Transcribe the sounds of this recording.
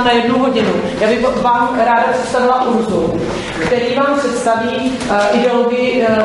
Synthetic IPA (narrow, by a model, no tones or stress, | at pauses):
najɛdnowɦoɟɪnu | jaːbɪxʋaːmɾaːdasɛ̥t̪st̪aʋɪlaʔuɾzo | kt̪ɛɾiːmaːmsɛt̪st̪aviː | ʔɪdɛoloɡɪɪ